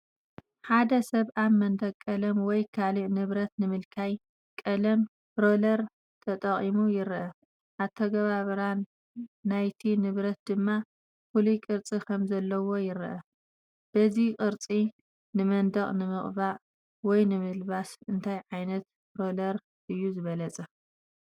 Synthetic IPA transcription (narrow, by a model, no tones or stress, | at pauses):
ħad̪ɐsɐβʔamːɐnd̪ɐɡkʼːɐlɐmwɔjkʰaliʔnɨβɾɐt̪nɨmɨlkʰaj | kʼɐlɐm | bɾo̞lɐɾ | t̪ʰɐt̪ʼɐχʼimujɪɾʔɐ | ʔaβt̪ʰɐɡɐβaβɐɾanː | ajt̪ʰinɨβɾɐt̪̚d̪ɨmːa | fulikʼɨɾt͡sʼikʰɐmzɐlːɐwo̞jɪɾʔɐ | b̥ɐzikʼɨɾt͡sʼi | nɨmɐnd̪ɐχʼnɨmɨχʼβaʔ | wɔjnɨmɨlbasɨnt̪ʰajʕajnɐt̪ | bɾo̞lɐɾ | ʔɨjːuzɨβɐlɐt͡sʼɐ